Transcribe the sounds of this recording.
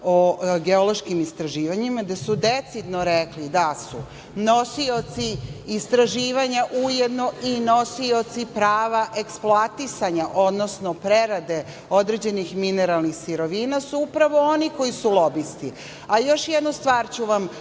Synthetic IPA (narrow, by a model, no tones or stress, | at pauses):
oɡe̞olo̞ʃkimist̪ɾaʒiːʋaɲimad̪asud̪et̪sid̪no̞ɾeklid̪asṵ | no̞sio̞t̪siist̪ɾaʒiːʋaɲaʔujed̪no̞ino̞sio̞t̪sipɾaːʋaʔe̞ksploat̪isaɲaʔod̪no̞snopɾeɾad̪e̞ | od̪ɾe̞d͡ʑe̞nixmine̞ɾalˠnixsiɾo̞ʋiːnasuupɾaʋo̞oniko̞jisulˠo̞bist̪i | ajo̞ʃjed̪nost̪ʋaːɾt͡ɕuʋam